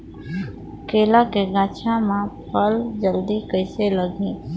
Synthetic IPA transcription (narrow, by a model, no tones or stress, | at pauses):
keːlakeɡãːt͡ʃʰãmãpʰəld͡ʒəld̪ikəɪseləɡẽː